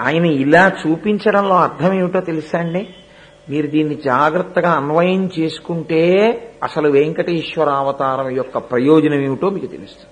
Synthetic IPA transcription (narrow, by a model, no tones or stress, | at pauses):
a̰ːjɐnɐilaːt͡ʃuːpiɲt͡ʃɐɽɐmlo̞ːɐɾt̪ʰɐmewiʈoːt̪e̞lusaːɳɖi | miːɾud̪iːnːid͡ʒaːɡɾɐt̪ːɐɡaːɐnʋɐjɐnt͡ʃe̞ːsu̥kuɳʈe̞ːɐ̰sɐluʋeŋkɐʈeiʃʋɐɾaːʋɐt̪aːɾɐmijɔkːɐpɾɐjoːd͡ʒɐnɐmewiʈoːmiːkut̪e̞̰lust̪u̥